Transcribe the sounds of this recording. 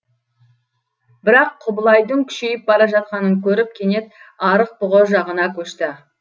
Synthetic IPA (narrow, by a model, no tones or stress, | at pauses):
bɪɾɑqʰːʊbəlˠɑjd̪əŋkʲʰʏ̥ʃejɪp̚bɑɾɑʒɑt̪̚qɑnəŋkʲʰɵɾɪp̚kʲʰe̞ne̞t̪̚ɑɾəq̚bʊʁoʒɑʁənɑkʲʰɵʃt̪ɪ